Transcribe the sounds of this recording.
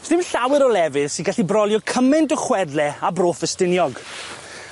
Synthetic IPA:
sɪmnɬawɪɾɔlɛvɪðsɪnɡaɬibrɔlˠjɔkʰəmɛntəχwɛdlɛabroːfəstɪnjɔɡ

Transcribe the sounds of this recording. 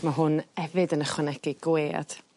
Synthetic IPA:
maɦʊnɛvɨdənəχwɛnɛɡɪɡweːa̰d̥

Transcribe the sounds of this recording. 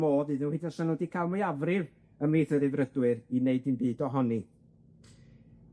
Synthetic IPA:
moːðɨːðɪnhidɪnsanodikʰaːlˠmajavrɪv | əmiθəɾɨvrədwɨrineɨdɨnbɨːdɔɦɔni

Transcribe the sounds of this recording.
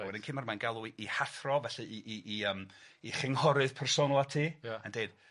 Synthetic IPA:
wɛdɪnkʰɨːnmarmanɡalˠuiihaθrɔvɛɬɨiʔiiəmiχɪŋhɔɾɨð̥pʰɛrsonəlˠatʰiːjandeɨd̥

